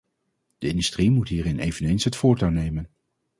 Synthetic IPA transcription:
d̥əɪndystrimutɦiːɾɪnejvənejnsɦətfʊːɹtawnejmən

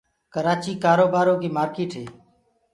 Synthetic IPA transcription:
kəɾaːt͡ʃiːkaːɾoːbaːɾõːkiːmaːɾkeːʈɦḛː

